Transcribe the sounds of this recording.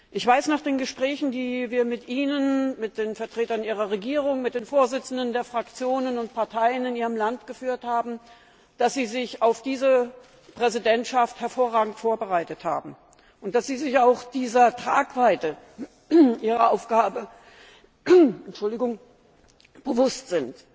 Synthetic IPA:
ʔɪçv̥aɪsnaːχd̥eːnɡəʃpʁ̥ɛːçn̩diːviːɐmɪtʔiːnənmɪt̚d̥eːnfɛɐtʁ̥eːtɐniːʁɐʁeɡiːʁ̞ʊŋmɪt̚d̥eːnfoːɐzɪt͡sn̩dəndeːɐfʁ̥akt͡sjoːnənʊnt̚pʰaɐtʰaɪənɪniːʁəmlantɡ̥əfyːɐthaːbm̩ | d̥asz̥iːzɪçaʊfd̥iːzə | pʁ̥ɛzidɛntʃafthɛɐfoːɐʁaːɡŋ̩tfoːɐbəʁaɪtətha̰ːbm̩ | ʔʊnt̚d̥asz̥iːzɪçaʊxd̥iːzɐtʁ̥aːkv̥aɪtə | ʔiːʁɐʔaʊfɡ̥aːbə | ɛntʃʊldɪɡʊŋ | b̥əvʊstz̥ɪnt

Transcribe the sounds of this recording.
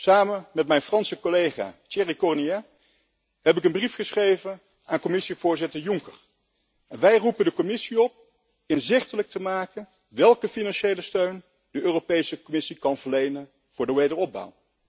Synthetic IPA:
saːmənmɛtmɛjnfrɑnsəkolejχa̰ːteːrikɔɹniɛ | hɛpɪkənbrifχəsχrejvən | aːnkɔmɪsiv̥ʊːɹzɪtəɹjʊŋkəɹ | ɛnʋɛjrupəndəkɔmɪsiɔp̚ | ɪnzɪχtələk̚təmaːkən | ʋɛlˠkəfinɑnʃejləstøɥn | dəʔøːropejsəkɔmɪsikɑnvəɹlejnən | v̥ʊːɹdəʋejdəɹɔb̚bʌ̰w

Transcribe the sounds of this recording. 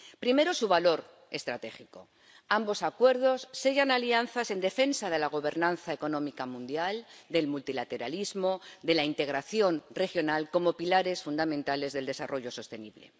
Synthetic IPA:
pɾime̞ɾosuβalo̞ɾ | e̞st̪ɾat̪e̞xiko̞̰ | ambo̞sakwe̞ɾð̞o̞sːeʝanalianθase̞nd̪e̞fe̞nsað̞e̞laɣ̞o̞βe̞ɾnãnθaeko̞nõ̞mikamũnd̪jald̪e̞lmult̪ilat̪e̞ɾa̰lizmo̞d̪e̞laint̪e̞ɣ̞ɾaθjo̞nre̞xjo̞nalko̞mo̞pilaɾe̞sfund̪amẽnt̪ale̞zðe̞ld̪e̞sarʔo̞ʝo̞so̞st̪e̞niβle̞̰

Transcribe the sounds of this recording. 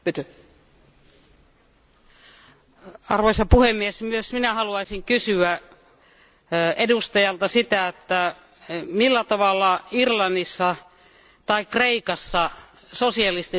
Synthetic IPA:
pyt̪ø | ɑrʋoisɑpuhemːiesmyøsminæhɑluɑisiŋkysyæ | edust̪ɑjɑlt̪ɑsit̪æet̪ːæ | milːæt̪ɑʋɑlːɑirlɑnːisːɑ | t̪ɑikreikɑsːɑ | sosiɑlist̪i

